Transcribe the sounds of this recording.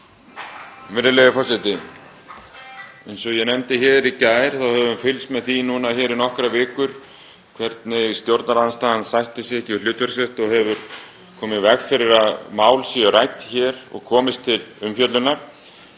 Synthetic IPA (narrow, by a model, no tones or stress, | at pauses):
vɪɾɪlɛɣɪfɔrsɪt̪ɪ | ɛjnsɔɣjɛnɛmt̪ɪçɛːɾicaːjɾ̥θawhɛvʏmfɪlsmɛðθinunaçɛːɾinɔhkɾavɪːkʏɾ̥ | kʰvɛɾt̪nɪɣst̪jowɾt̪naɾanst̪aːhanːsajht̪ɪsjɛcɪl̥ʏːt̪ɛɾsɛrt̪ɔɣhɛvʏɾ̥ | kʰɔːmɪvɛɣfɪɾɪɾaðmaːwlsiarajt̪çɛːɾɔ̰ɣkʰɔːmɪst̪ʰɪlʏmfjœt̪lʏnaɾ̥